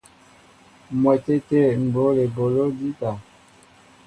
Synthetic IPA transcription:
mwɛ˨te˦te˦˨m̩˨bo˨˦le˨bo˨lo˦di˦ta˨

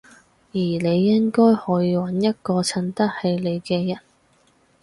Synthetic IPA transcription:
jiː˨˩ne˨˧jːɪ˥ŋkɔː˥jhɔː˨˥jiː˧wɐ˨˥njɐ˥t̚kɔː˧t͡sʰɐ˥nt̪ɐ˥t̚he˧jle˨˧jkɛː˧jɐ˨˩n

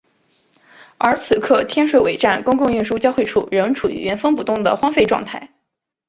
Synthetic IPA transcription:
ə˞˧˥t͡sʰɹ̩˨˩kʰɤ˥˩t̪ʰjɛ˥nʂwe˨˩ɪwe˨˩ɪʈ͡ʂa˥˩nkʊ˥ŋkʊ˥˧ŋy˥˩nʂu˥t͡ɕjɑ˥ʊxwe˥˧ɪʈ͡ʂʰṵ˥˩ɻə˧˥nʈ͡ʂʰu˨˩y̰˨˩ɥɛ˧˥nfə˥ŋpu˨˩t̪ʊ˥˩ŋd̪ə̰˩xwɑ˥ŋfe˥˧ɪʈ͡ʂwɑ̰˥˧ŋt̪ʰa˥˩ɪ

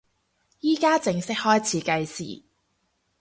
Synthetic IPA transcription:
jiː˥kaː˥t͡sɪ˧ŋsɪ˥k̚hɔː˥jt͡sʰiː˨˥kɐ˧jsḭː˨˩

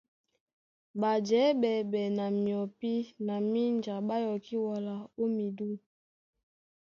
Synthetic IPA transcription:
ba˨d͡ʒɛ˨˦bɛ˨bɛ˨na˨mi˨ɔ˨pi˦na˨mi˦nd͡ʒa˨ɓa˦jɔ˨ki˦wɔ˨la˨o˦mi˨du˦

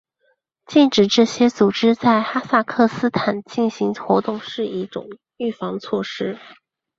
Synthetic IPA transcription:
t͡ɕi˥˩nʈ͡ʂɻ̩˨˩ʈ͡ʂɤ˥˩ɕjɛ˥t͡su˨˩ʈ͡ʂɻ̩˥t͡sa˥˩ɪxa˥sa˥˧kʰɤ˥˩sɹ̩˥t̪ʰa˨˩nt͡ɕi˥˩nɕi˧˥ŋxwɔ˧˥t̪ʊ˥˧ŋʂɻ̩˥˧i˥˩ʈ͡ʂʊ̰˨˩ŋ | y˥˩fɑ˧˥ŋd̪ə˧t͡sʰwɔ˥˩ʂɻ̩˥

